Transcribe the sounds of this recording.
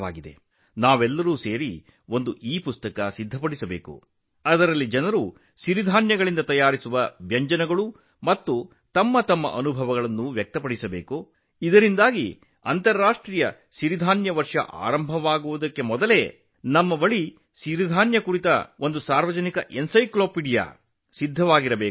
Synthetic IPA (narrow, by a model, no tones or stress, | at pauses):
a̰ːɡid̪e̞̰ | naːʋɛlːɐɾuːse̞ːɾi | o̞nd̪uʔiːpust̪ɐkɐsid̪ʱːɐpɐɽisɐbḛːkṵ | ɐd̪ɐɾɐlːid͡ʒɐnɐɾu | ʃiɾid̪ʱaːnjɐɡɐɭind̪ɐt̪ɐjaːɾisuʋɐʋjɐɲd͡ʒɐnɐɡɐɭu | mɐt̪ːu | t̪ɐmːɐt̪ɐmːɐ̰ʔɐnubʱɐʋɐɡɐɭɐnːuʋjɐk̚t̪ɐpɐɽisɐbḛːku | id̪ɐɾind̪aːɡḭ | ɐnt̪ɐɾːaːʂʈɾiːjɐ | ʃiɾid̪ʱaːnjɐʋɐɾʂɐ̰ʔa̰ːɾɐmbʱɐʋaːɡuʋud̪ɐkːe̞mɔd̪ɐle̞ | nɐmːɐbɐɭi | ʃiɾid̪ʱaːnjɐkuɾit̪ɐ̰ond̪usaːɾʋɐd͡ʒɐnikɐʔensɐjkloːpiɽija̰ː | sid̪ʱːɐʋaːɡiɾɐbeː